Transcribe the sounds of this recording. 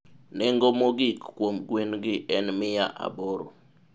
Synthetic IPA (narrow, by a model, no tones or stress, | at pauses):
nɛŋɡomoɡɪkːwomɡwenɡɪʔɛnmɪjaʔa̰boɾo̰